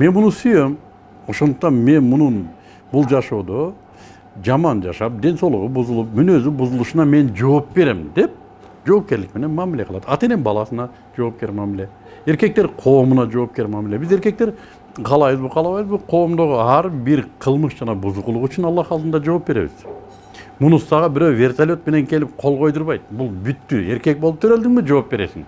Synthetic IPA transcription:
me̞nmunusyjøm | o̞ʃo̞nd̪uq̚t̪ɑnme̞nmunun | bulˠd͡ʒɑʃo̞ːd̪o̞ | d͡ʒɑmɑnd͡ʒɑʃɑp̚d̪e̞nso̞lˠuʁubuzulˠup̚mynø̞zybuzulˠuʃunɑme̞nd͡ʒo̞ːpbe̞ɾemd̪e̞p̚ | d͡ʒo̞ːp̚ke̞ɾlikme̞ne̞nmɑmile̞qɯlˠɑt̪ʰɑt̪e̞nembɑlˠɑsɯnɑ | d͡ʒo̞ːp̚ke̞ɾmɑmile̞ | e̞ɾke̞k̚t̪eɾqʰo̞ːmunɑd͡ʒo̞ːp̚kʲe̞ɾmamilʲebize̞ɾke̞k̚t̪e̞ɾ | qʰɑlˠɑjβɯzbɨqʰɑlˠɑβɑjβɯzbuqʰo̞ːmd̪o̞ʁuɑɾbiɾqʰəlˠmɯʃd͡ʒɑnɑbuzuqulˠuʁyt͡ʃynɑlˠːɑχɑlˠt̪ənd̪ɑd͡ʒo̞ːp̚be̞ɾe̞̰βɪz̥ | munusɑʁɑbɪɾøwvʲe̞rt̪ʰalʲo̞t̪̚me̞ne̞ŋkʲʰe̞lɪp̚qʰo̞lˠʁo̞jd̪uɾβɑjt̪̚bulˠbyt̪ːye̞ɾkʲe̞k̚bolˠup̚t̪ʰøɾøld̪ɪŋbid͡ʒo̞op̚be̞ɾe̞̰sɪ̰ŋ

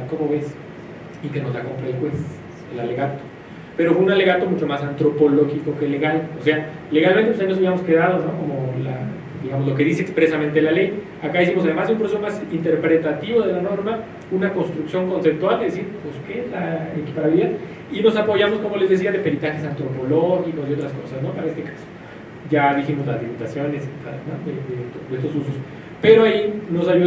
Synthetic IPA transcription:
ko̞mo̞βe̞s | ikeno̞zðako̞mpɾaelxwe̞s | elale̞ɣat̪o̥ | pe̞ɾofweunale̞ɣat̪o̞mut͡ʃo̞masant̪ɾo̞po̞lo̞xiko̞kele̞ɣalose̞a | le̞ɣalment̪epws̬ainosaβiamo̞skeðaðozno̞ko̞mo̞la̰ | d̪iɣamo̞zlo̞k̬e̞ðis̬eːkspɾe̞samẽnt̪e̞lale̞j | akaðis̬imos̬aðe̞mazðeumpɾoseso̞masint̪e̞ɾpɾe̞t̪at̪iβo̞ðe̞lano̞ɾma | unako̞nst̪ɾuksjo̞ŋko̞nse̞p̚t̪wald̪e̞ðes̬iɾposkeezlaeki̥paɾaβiliðað | ino̞s̬apo̞ʝamo̞sko̞mo̞le̞zðe̞s̬iaðe̞pe̞ɾit̪axe̞s̬ant̪ɾo̞po̞loxiko̞sio̞t̪ɾasko̞sasno̞paɾaest̪ekḁso̥ | ɟ͡ʝaðiximo̞zlazliput̪asjo̞neset̪anoðeðet̪oðest̪o̞suso̞s | pe̞ɾo̞aino̞saʝu

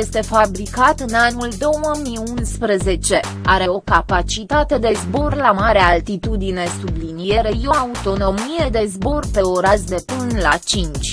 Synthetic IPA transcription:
jest̪e̞fabɾikat̪ɨnanuld̪o̞wəmiunspɾeze̞t͡ʃe̞ | aɾe̞o̞kapat͡ʃit̪at̪e̞d̪e̞zbo̞rlamaɾealt̪it̪ud̪ine̞sublinije̞ɾe̞jo̞aut̪o̞no̞mije̞d̪e̞zbo̞rpe̞oɾasd̪e̞pɨnlat͡ʃint͡ʃʲ

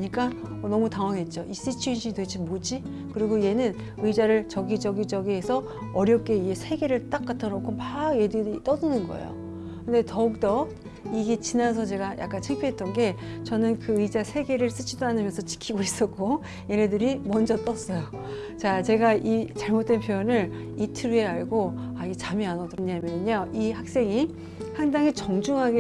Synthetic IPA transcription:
ɲik͈aʌnʌmutaŋwaŋɦe̞t̚t͡ɕ͈oʔis͈it͡ɕʰiinɕʰidwe̞d͡ʑimod͡ʑi | kɯɾiɡoije̞nɯn | ɯid͡ʑaɾɯɭt͡ɕʌɡid͡ʑʌɡid͡ʑʌɡiɦesʰʌ | ʌɾjʌp̚k͈e̞ie̞sʰe̞ɡe̞ɾɯɭt͈ak͈atʰanokʰopaje̞dɯɾit͈ʌdɯnɯnɡʌ̰ḛjo̰ | kɯnde̞tʌuk̚t͈ʌ | iɡe̞t͡ɕinasʰʌt͡ɕe̞ɡajʔa̰k͈ant͡ɕʰeŋpʰjoɦet͈ʌnɡe̞t͡ɕʌnɯnkɯɯd͡ʑasʰe̞ɡe̞ɾɯɭs͈ɯt͡ɕʰidoanɯmjʌnsʰʌt͡ɕi̥kʰiɡois͈ʌk͈ʰo | je̞ne̞dɯɾimʌnd͡ʑʌt͈ʌs͈ʌjo | t͡ɕat͡ɕe̞ɡaʔit͡ɕaɭmot͈̚e̞npʰjojʌnɯɭ | itʰɯɾue̞aɭɡoait͡ɕamianʌdoɲamjʌnɯɲʌihak̚s͈e̞ŋi | haŋdaŋit͡ɕʌŋd͡ʑuŋɦaɡe

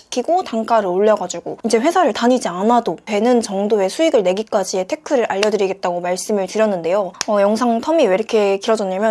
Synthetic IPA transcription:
ɕi̥kʰiɡotaŋk͈aɾɯɭoʎːʌɡad͡ʑuɡoind͡ʑe̞ɸwe̞sʰaɾɯɭtaɲid͡ʑianadotwe̞nɯnt͡ɕʌŋdoe̞sʰuiɡɯɭne̞ɡik͈ad͡ʑie̞tʰe̞kʰɯɾɯɾʔaʎːʌdɯɾiɡe̞t̚t͈aɡomaɭs͈ɯmɯɭtɯɾjʌnːɯnde̞joʌjʌŋsʰaŋtʰʌmieɾkʰe̞kiɾʌd͡ʑʌnːamjʌ

